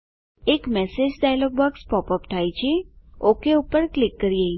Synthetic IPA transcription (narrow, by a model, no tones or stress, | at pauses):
ekmɛsed͡ʒɖajlɔɡ̚bɔkspɔpəpt̪ʰajt͡ʃʰeokeupəɾklɪkːəɾie